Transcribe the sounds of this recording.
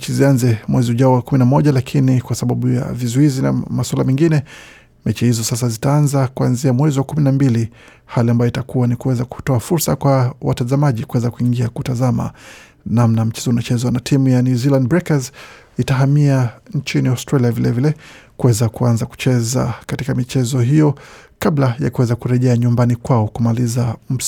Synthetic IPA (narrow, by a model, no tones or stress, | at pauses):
t͡ʃizianzɛmwɛziuʄauwakuminamɔʄalakʰinikwasaɓaɓuja̰vizuizina̰maswalamɛŋɡinɛ | mɛt͡ʃihizɔsas̬azitaanzakuanziamwɛziwakuminambili | haliambajɔitakuwanikuwɛzaku̥tɔafuɾsakwawa̰tazamaʄikuwɛzakuiŋɡiakutazama̰ | namnam̩t͡ʃɛzɔunat͡ʃɛzwanatʰimujanuziland̚bɾɛkaz | itaɦamiaɲt͡ʃiniastɾaliavilɛvilɛkuwɛzakuanzaku̥t͡ʃɛza̰katikamit͡ʃɛzɔɦijɔkablajakuwɛzakuɾɛʄɛaɲumbanikwaɔkumalizam̩